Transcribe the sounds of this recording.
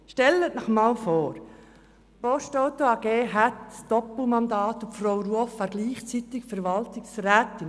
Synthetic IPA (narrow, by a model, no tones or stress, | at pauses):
ʃtɛlətnɔχmɑːlfoːɾ | pɔstɔwtoɑɡ̥eːɦætsd̥ɔpl̩mɑnd̪ɑːt̪ufrowɾuəfʋɑːɾɡliːχt͡sit̪ɪkfəɾʋɑltɪksræːtɪn